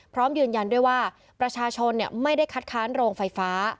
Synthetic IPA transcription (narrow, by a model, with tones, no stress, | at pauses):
pʰɾɔː˦˥mjɯː˧nja˧ndu˥˩əjwaː˥˩ | pɾa˧t͡ɕʰaː˧t͡ɕʰo˧nːi˥˩ma˥˩jda˥˩jkʰa˦˥t̪̚kʰaː˦˥nɾoː˧ŋfa˧jfaː˦˥